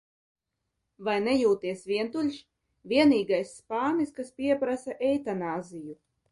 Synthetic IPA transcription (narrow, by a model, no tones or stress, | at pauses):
vajnɛjuːt̪iɛsvʲiɛnt̪ulʲʃ | vʲiɛniːɡajsːpaːniskaspʲiɛpɾasaʔɛjt̪anaːziju